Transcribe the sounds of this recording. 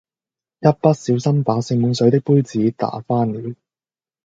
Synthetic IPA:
jɐ˥t̚pɐ˥t̚siː˨˥wsɐ˥mpaː˨˥sɪ˧ŋmuː˨˧ŋsɵ˨˥jt̪̬ɪ˥k̚puː˥jt͡siː˨˥t̪a̰ː˨˥faː˥nliː˨˥w

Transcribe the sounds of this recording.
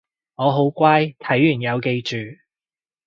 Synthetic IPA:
ŋɔː˨˧ɦo˨˥wkʷaː˥jt̪ʰɐ˨˥jjyː˨˩njɐ˨˧wke˧jt͡ʃyː˨

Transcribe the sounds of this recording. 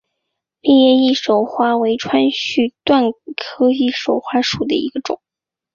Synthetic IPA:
pi˥˧jɛ˥˧i˥˩ʂo˨˩ʊxwa˥we˧˥ɪʈ͡ʂʰwa˥nɕy˥˧t̪wa˥˩nkʰɤ˥i˥˩ʂo˨˩ʊxwa˥ʂu˨˩d̪ə˦ḭ˧˥ɡə˧ʈ͡ʂʊ̰˨˩˦ŋ

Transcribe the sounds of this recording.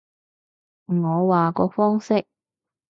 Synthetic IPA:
ŋɔː˨˧waː˨kɔː˧fɔː˥ŋsɪ˥k̚

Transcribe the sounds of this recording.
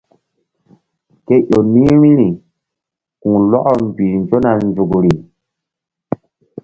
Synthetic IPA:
ke˦ʔo˨nĩ˦ɾĩ˦ɾi˨ | kũ˨lɔ˦ʔɔ˨m˨bi˨nd͡ʒo˦na˨nd͡ʒu˨kɾi˨

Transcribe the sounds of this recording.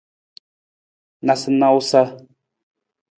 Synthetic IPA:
na˨sə˦na˦wu˦sa˦

